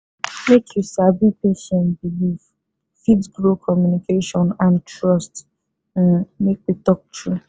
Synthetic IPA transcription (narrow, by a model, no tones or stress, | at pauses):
mekʰjusabipeʃɛ̃nbiliv | fidɡɹokʰɔmjunikeʃɔ̃nãntɹɔst | mekitɔk̚tɹi